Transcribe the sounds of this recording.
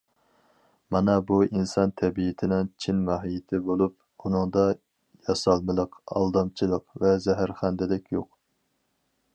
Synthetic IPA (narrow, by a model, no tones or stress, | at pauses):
mɑnɑbuinsɑnt̪ʰɛbijɪt̪ʰɪnɪŋt͡ʃʰinmɑɦijɪt̪ʰɪbolˠup̚ | unɨŋd̪ɑ | jɑsɑlˠmɨlˠəqɑ̰lˠd̪ɑmt͡ʃʰilˠəqvɛzɛɦæɾχænd̪ɪlɪkʲjoq